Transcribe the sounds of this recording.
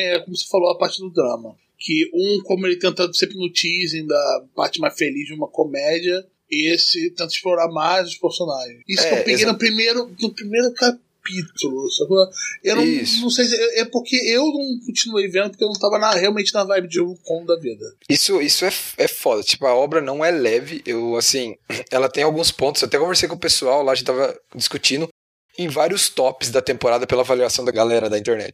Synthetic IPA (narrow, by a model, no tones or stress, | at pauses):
ɛkõmʊse̥falod̪ɐpaɾt͡ʃɪd̪ʊd̪ɾɐ̃mɐ | kʰɪũkõmʊelɪt̪ẽt̪ɐd̪sẽpɾɪnʊt͡ʃizẽd̪ɐpaɾt͡ʃɪmajsfelizd͡ʒɪũmɐkomɛd͡ʒiɐ | esɪt̪ẽnt̪ɐɪʃploɾaɾmajzʊʃpeɾfsonaʒẽisʊkẽpeɡejnʊpɾimejɾʊnʊpɾimejɾʊka | pit̪ulʊsokɐewnɐ̃w̃snɐ̃w̃sejsɪewɛpoɾkʰeewnɐ̃w̃kõt͡ʃinuejvẽnd̪poɾkewnɐ̃w̃t̪avɐnaheawmẽnt͡ʃɪnɐvajbɪd͡ʒɪokõd̪ɐvid̪ɐisʊisʊɛɛfɔd̪ɐt͡ʃi̥pʊɐɔbɾɐnɐ̃w̃ɛlɛvɪʔewasĩɛlɐt̪ẽj̃awɡũspõt̪ʊszat̪ɛkõveɾsejkõpesuawlaɐʒẽt͡ʃɪt̪avɐd͡ʒiskut͡ʃĩnd̪ʊ | ẽj̃vaɾiʊst̪ɔpɪzd̪ɐt̪ẽmpoɾad̪ɐpelɐavaliasɐ̃w̃d̪ɐɡalɛɾɐd̪ɐĩnt̪eɾnɛ̰t͡ʃɪ